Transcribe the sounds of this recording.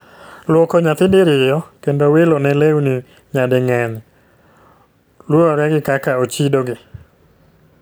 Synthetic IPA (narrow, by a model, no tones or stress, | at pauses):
lwɔkoɲat̪ɪndɪɾɪjɔkendowelonɛlewnɪ | ɲadɪŋɛɲ | lɔɾɔɾɛɡɪkakaot͡ʃidoɡɪ